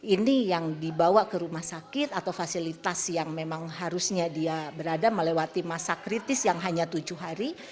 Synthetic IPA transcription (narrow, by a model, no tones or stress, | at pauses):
inijaŋdibawakəɾumahsakɪt̪at̪awfasilit̪asjaŋmemaŋɦaɾusɲadiabəɾadaməlewat̪imasakɾit̪ɪsjaŋɦaɲat̪ud͡ʒʊɦaɾi